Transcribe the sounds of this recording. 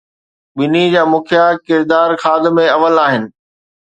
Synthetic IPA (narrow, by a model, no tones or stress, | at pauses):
ɓɪnid͡ʑaːmʊkʰjakɪɾd̪aːɾxaːd̪ɪmẽɐʋəlaːɦɪnɪ̆